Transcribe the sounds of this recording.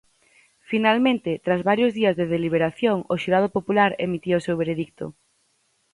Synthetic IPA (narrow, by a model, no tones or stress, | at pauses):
finalmẽnt̪ɪt̪ɾazβaɾjʊzðiazðeðeliβ̞eɾaθjoŋʊʃiɾað̞opopulaɾemit̪iʊsewβeɾeðik̚t̪ʊ̰